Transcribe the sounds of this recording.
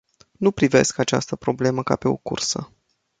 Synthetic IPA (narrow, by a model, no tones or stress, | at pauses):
nupɾive̞̰skat͡ʃa̰st̪əpɾo̞ble̞məka̰pe̞o̞̰kṵrsə̰